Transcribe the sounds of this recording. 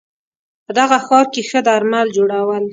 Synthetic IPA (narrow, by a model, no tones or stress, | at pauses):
pəd̪aɣaxɑɾkexəd̪aɾmald͡ʒoɽawəl